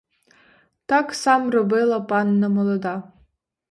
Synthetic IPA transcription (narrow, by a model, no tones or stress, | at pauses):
taksamrɔbelˠapʼanːamolˠod̪a